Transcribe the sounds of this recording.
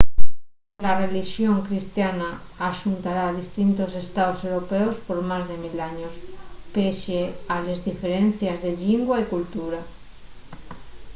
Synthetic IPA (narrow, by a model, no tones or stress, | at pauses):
lareliʃjoŋkɾist̪janaːʃunt̪aɾaːðist̪int̪ose̞st̪aosewɾopeospoɾmazðemilaɲospeʃealezðifeɾen̟θjazðeʎiŋɡwaikult̪uɾa